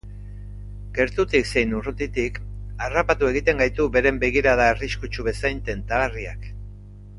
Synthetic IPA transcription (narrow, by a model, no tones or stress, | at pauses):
ɡe̞ɾt̪ut̪ikse̞jnurut̪it̪ikarapat̪ue̞ɣ̞it̪e̞ŋɡajt̪ube̞ɾe̞mbe̞ɣ̞iɾaðaeriskut͡ʃuβe̞sajnt̪e̞nt̪alariak